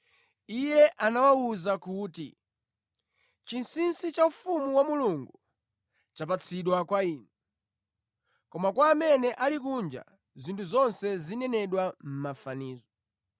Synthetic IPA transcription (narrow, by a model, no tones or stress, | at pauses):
ijɛʔanawauzakuːtḭ | t͡ʃinsinsit͡ʃaufumuwamuluŋɡu | t͡ʃap̬at͡sʰiɗwakwaiːnɛ | kɔmakwaːmɛnɛʔalikund͡ʒa̰ | zintʰuzɔnsɛzinɛnɛɗwam̩mafaniːzɔ